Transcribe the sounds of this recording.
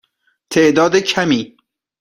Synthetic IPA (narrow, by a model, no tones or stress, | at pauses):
t̪ʰeʔd̪ɒːd̪ecʰæmiː